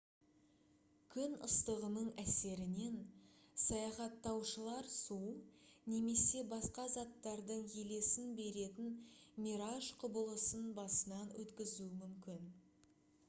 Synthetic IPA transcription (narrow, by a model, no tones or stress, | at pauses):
kʲʰʏnəst̪əʁənəɴæse̞ɾɪne̞nsɑjɑχɑt̪ːɑwʃəlˠɑɾsune̞me̞se̞bɑsqɑzɑt̪ːɑɾd̪əɴje̞le̞sɪnbe̞ɾe̞t̪ɪnmʲiɾaʒqʰʊbəlˠəsənbɑsənɑnwɵ̰t̪kʲɪzuɪmʏmkʲɪn